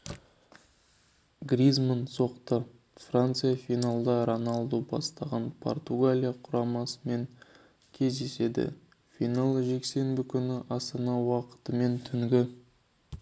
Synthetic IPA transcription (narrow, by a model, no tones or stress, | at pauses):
ɡrʲizmanso̞qt̪ə | frant̪sɨjafinalˠd̪ɑɾonɑlˠd̪obɑ̰st̪ɑʁɑnpʰo̞̰rt̪uɡalʲijaqʰʊɾɑmɑsəme̞ŋ | kʲʰe̞zd̪e̞se̞d̪ɪ̰ | fijnalˠʒe̞kse̞mbɪkʲʰʏnɪʔɑst̪ɑnɑwɑqə̥t̪əme̞nt̪ʰʏŋɡʲɪ